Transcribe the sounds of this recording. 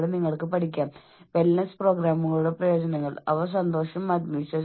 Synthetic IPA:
ɭniŋːɐɭkɨpɐʈʰikʲːaːm | ʋelnɐspro̞ːɡɾaːmuŋɐɭuɽe̞prɐjo̞ːd͡ʑɐnɐŋːɐɭɐ̰ʋɐs̬ɐnd̪o̞ːʂɐmːaːd̪mɐit͡ɕːɐ

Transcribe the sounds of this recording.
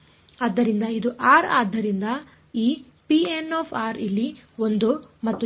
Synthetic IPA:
aːd̪ːɐɾind̪ɐid̪uʔaːɾaːd̪ʱːɐɾind̪ɐ | iː | pienoːpʰaːɾilːio̞nd̪umɐt̪ːu

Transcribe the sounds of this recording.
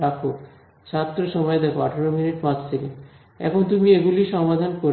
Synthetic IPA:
akʰo | t͡ɕʰat̪ːɾoʃɔmɔed̪ɛkʰoaʈʰaɾominiʈpãd͡ʑʰt̪ʰeke | ɛ̰kʰont̪umieɡuliʃɔmad̪ʱankoɾ

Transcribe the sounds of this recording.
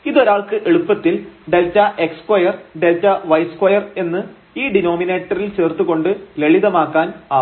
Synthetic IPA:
iðo̞ɾaːɭkɨʔeɭupːɐt̪ːilɖe̞lt͡ɕːɐʔe̞kskwɐjɐrɖe̞lt͡ɕːɐʋɐjskwɐjɐre̞nːɨ | iːɖino̞ːmine̞ːʈːɐrilt͡ɕe̞ːrt̪ːuɣo̞ɳɖɨle̞ɭiðɐmaːkːaːnaː

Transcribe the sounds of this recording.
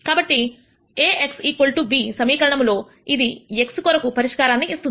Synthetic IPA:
kaːbɐʈːi | eːʔeksiːkʋɐlʈubiːsɐmiːkɐɾɐɳɐmlo̞ː | id̪ie̞kskoɾɐkupɐɾiʂkaːɾaːnːiːst̪un

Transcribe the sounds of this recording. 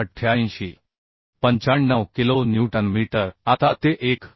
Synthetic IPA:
əʈʰːjaĩɕi | pəɲt͡ɕaɳnːəʋkilonjuʈənmiiʈəɾat̪at̪eʔek

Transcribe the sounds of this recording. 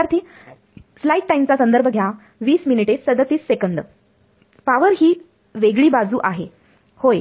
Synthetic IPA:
aɾt̪ʰiː | slaiʈʈajmt͡sasənd̪əɾbʱəɡʱja | ʋiːsminiʈet͡ssəd̪ət̪iːssekəɳɖə | paʋəɾɦiː | ʋeɡɭiːbad͡zuːʔaɦe | hoj

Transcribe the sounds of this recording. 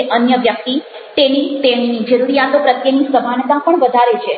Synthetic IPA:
ʔənjəʋjək̚t̪i | t̪enit̪enid͡ʒəɾuɾijat̪opɾət̪jənisəmant̪apəɳʋəd̪ʱaɾet͡ʃʰe

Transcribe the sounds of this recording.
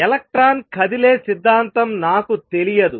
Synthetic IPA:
ɛlɐk̚ʈɾaːnkʰɐd̪ileːsid̪ʱːaːnt̪ɐmnaːkut̪e̞lijɐd̪u

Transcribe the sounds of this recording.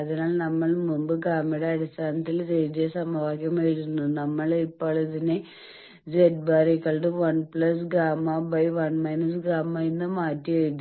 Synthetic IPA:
ɐðinaːɭnɐmːɐɭmumbɨɡaːmiɽeɐɽist̪ʰaːnɐt̪ːild͡ʑejt̪esɐmɐʋaːkʲjɐmejiʈunːunɐmːɐɭipːoːɭiðine | d͡ʑeʈ̚baːɾikːɐɭɖɨʋɐɳpɭɐs̬ɡɾaːmabɐjʋɐnmɐjnɐs̬ɡɾaːmainːɨmaːtːijejit̪ː

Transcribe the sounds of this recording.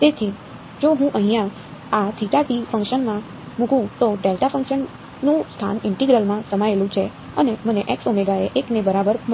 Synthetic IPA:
t̪et̪ʰi | d͡ʒoɦũʔəɦĩjã | at̪ʰiʈaʈifə̃ŋkʃənmã | mũkʰũt̪oɖelʈafə̃ŋkʃənː | ũst̪ʰa̰nɪɳʈiɡɾəlmãsəmaelũt͡ʃʰe | əneməneʔɛksomeɡaeʔeknebəɾabəɾ

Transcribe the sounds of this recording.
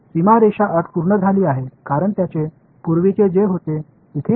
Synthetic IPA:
simaɾeɕaʔəʈ̪puɾɳəd͡zʱaliːaɦekaɾəɳt̪jat͡ɕe | puɾʋit͡ɕed͡zeɦot̪e | it̪ʰe

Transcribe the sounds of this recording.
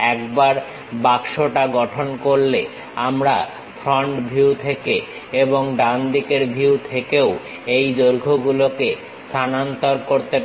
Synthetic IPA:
ɛkbaɾ | bakʃoʈaɡɔʈʰonkoɾle | amɾa | fʰɾɔɳʈbʱiwt̪ʰeke | eboŋɖand̪ikeɾbʱiwt̪ʰekeo | ejd̪oɾɡʱoɡuloke | st̪ʰanant̪oɾkoɾt̪e

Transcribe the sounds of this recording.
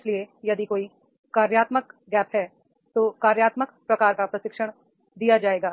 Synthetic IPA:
sliejɐd̪ikoːi | kaːɾjaːt̪məkɡɛːpɦɛ | t̪oːkaːɾjaːt̪məkpɾɐkaːɾkapɾɐsɪkʃəɽ̃ | d̪ijad͡ʒaːeːɡaː

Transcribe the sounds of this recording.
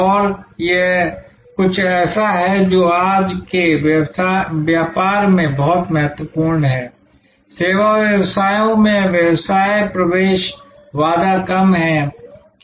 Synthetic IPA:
ɔːɾje | kʊt͡ʃʰɛːsaɦɛd͡ʒoːaːd͡ʒkejsaʋjaːpaːɾmẽbɔɦʊt̪mɐɦət̪wəpuːɾnɦɛː | seːʋaʋjɐwsaːjõmẽʋjɐwsaːjpɾɐʋeːʃ | ʋaːd̪akɐmɦɛ̃

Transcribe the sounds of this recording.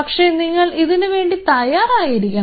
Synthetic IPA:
ɐkʂe̞niŋːɐɭiðinuʋe̞ːɳɖit̪ɐjaːraːjiɾikʲːu

